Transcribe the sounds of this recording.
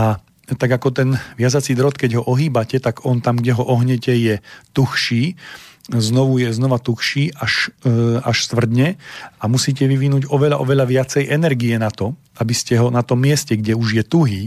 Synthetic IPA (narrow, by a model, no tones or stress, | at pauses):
a | t̪aɡakɔt̪ɛnʋɪazat͡sid̪ɾɔt̪kɛɟɦɔʔɔɦiːbacɛt̪aɡɔnt̪amɡɟɛɦɔʔɔɦɲɛcɛjɛt̪uxʃiː | znɔʋujɛznɔʋat̪uxʃiːʔaʃaʃst̪ʋr̩d̪ɲɛʔamusiːcɛʋiʋinuːɟɔʋɛʎaʔɔʋɛʎaʋɪat͡sɛjʔɛnɛɾɡijɛnat̪ɔ | abiscɛɦɔnat̪ɔmːɪɛscɛɡɟɛuʒjɛt̪uɦiː